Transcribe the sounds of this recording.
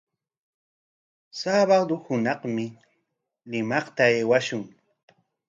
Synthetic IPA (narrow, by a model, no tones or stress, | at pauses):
saːβad̪ʊhʊnɑχmɪ | lɪmɑχt̪aeːwaʃʊŋ